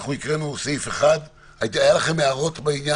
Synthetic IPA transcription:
χuikʁenusife̞χad̪ | aajalaχemeaʁo̞t̪beinja

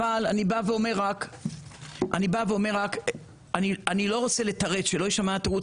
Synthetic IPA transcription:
alanibaveo̞me̞ʁak | ʔa̰nibaveo̞me̞ʁak | anianilo̞ʁo̞t͡se̞let̪ɐʁetʃelo̞jiʃamat̪eʁu

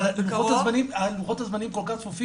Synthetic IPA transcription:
luxot̪azmanimaluχot̪azmanimkolkaχfofi

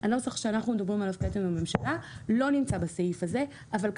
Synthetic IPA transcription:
ʔanosaχʃeanaχnumed̪abʁimalavket̪imame̞mʃalalo̞nimt͡sabaseifaze̞ | avalk

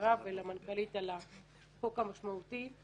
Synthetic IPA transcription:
avelamankalit̪ala | χokamaʃmaut̪i

